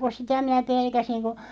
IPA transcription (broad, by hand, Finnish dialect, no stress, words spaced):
ko sitæ minæ pelkæsiŋ ko